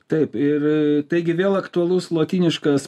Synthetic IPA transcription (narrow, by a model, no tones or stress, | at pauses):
t̪ɐɪpɪrt̪ɐɪɡʲɪʋʲeːlˠɐkt̪ʊɐlˠʊslˠoːt̪ʲiːnʲɪʃkɐs